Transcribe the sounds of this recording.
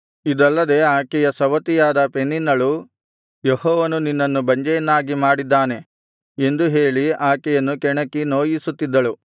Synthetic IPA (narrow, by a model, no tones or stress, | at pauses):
id̪ɐlːɐd̪e̞ːaːkɛjɐsɐʋɐt̪ijaːd̪ɐpenːinːɐɭu | jehɔːʋɐnuninːɐnːubɐɲd͡ʒɐjɐnːaːɡimaːɽid̪ːaːne̞ | e̞nd̪uɦe̞ːɭiaːkɛjɐnːukɛɳɐkːino̞ːjisut̪ːid̪ːɐɭu